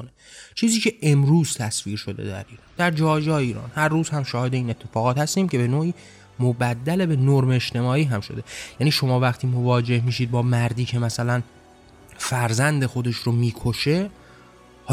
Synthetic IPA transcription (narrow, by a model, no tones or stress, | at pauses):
onet͡ʃʰiːziːcʰe̞ʔemɾuːz̥t̪ʰæsviːɾʃo̞d̪e̞̰d̪æ̰ɾiːɾɒːnd̪æɾd͡ʒɒːjɒːjeiːɾɒ̰ːnhæɾːuːz̥hæmʃɒːhe̞d̪eiːne̞t̪ʰːe̞fɒːɣɒːt̪hæst̪iːmcʰe̞be̞noːiː | mobæd̪ːæle̞be̞noɾmeeʃt̪ʰe̞mɒːiːɦæmʃo̞d̪e̞jæːniːʃo̞mɒːvæχt̪ʰiːmo̞vɒːd͡ʒe̞hmiːʃid̪̚bɒːmæɾd̪iːcʰe̞mæsælæn | fæɾzænd̪e̞xo̞d̪e̞ʃɾomiːkʰoʃe̞